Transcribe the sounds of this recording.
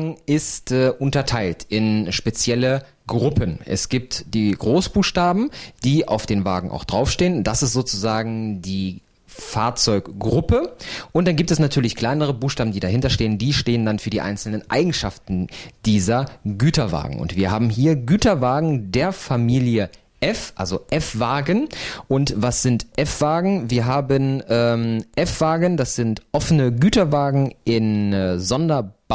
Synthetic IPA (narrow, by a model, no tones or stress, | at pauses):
ɡŋ̩ɪstɛːʔʊntɐtʰaɪltɪnʃpet͡sjɛlə | ɡʁʊpʰənʔɛ̰sɡ̥iːp̚td̥iːɡʁoːsb̥uːxʃtaːbm̩d̥iːʔa̰ʊfd̥eːnva̰ːɡŋ̩ʔa̰ʊxd̥ʁaʊfʃteːənnt̚d̥asɪstz̥oːt͡suzaːɡŋ̩diː | faːɐt͡sɔʏkɡʁʊpəʔʊntd̥anɡiːptɛsnatʰyːɐlɪçkl̥aɪnəʁ̞əbuːxʃtaːbm̩diːdaɦɪntɐʃteːəndiːʃteːəndanfyːɐdiːʔa̰ɪnt͡sl̩nənʔa̰ɪɡŋ̩ʃaftn̩d̥iːzɐɡyːtɐva̰ːɡŋ̩ʊ̰ntv̥iːɐɦaːbm̩ɦiːɐɡyːtɐvaːɡŋ̩deːɐfamiːljə | ʔɛfʔa̰lzoʔɛfv̥aːɡənʔʊntvasz̥ɪntʔɛfv̥aːɡŋ̩viːɐɦaːbənʔɛːmʔɛfv̥aːɡəndasz̥ɪntʔɔfənəɡyːtɐvaːɡŋ̩ʔɪnzɔndɐb